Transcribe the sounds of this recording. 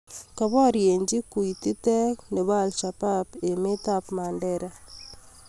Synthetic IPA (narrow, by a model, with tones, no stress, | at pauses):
ka˨βa˦ɾje˨ɲd͡ʒi˦ku˨i˨ti˦tɛ˦kne˨βa˦˨lʃa˨pa˦pe˨me˦ta˦pma˨nde˦ɾa˦